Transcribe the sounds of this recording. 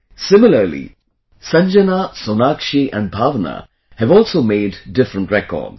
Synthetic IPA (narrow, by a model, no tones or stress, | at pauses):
sɪmɪlˠəlḭ | sʌ̃nd͡ʒənasonakʃiʔə̃nbʱavnə̰ | hɨvɔlˠsoʊmeɪdːɪfɹə̃ntɹɛkɔ̰ːd